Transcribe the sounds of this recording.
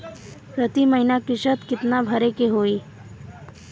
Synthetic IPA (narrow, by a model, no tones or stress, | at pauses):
pɾət̪iməɦinakɪʃət̪kɪt̪nabʱəɾekeɦoːiː